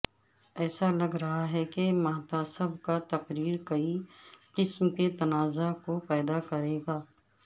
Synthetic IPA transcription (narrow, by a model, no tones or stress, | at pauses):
ɛːsalɐɡɾɐɦaɦɛkemaːt̪asɐbʱkat̪ɐqɾiːɾkɐiqɪsmket̪ɐnaːzakopɛːd̪akɐɾeːɡaː